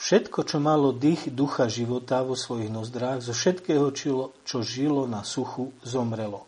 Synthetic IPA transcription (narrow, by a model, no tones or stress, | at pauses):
fʃɛt̪kɔt͡ʃɔmalɔd̪ixd̪uxaʒiʋɔt̪aʋɔsʋɔjiɣnɔzd̪ɾaːɣzɔfʃɛt̪kɛːɦɔt͡ʃilɔt͡ʃɔʒilɔnasuxuzɔmɾɛlɔ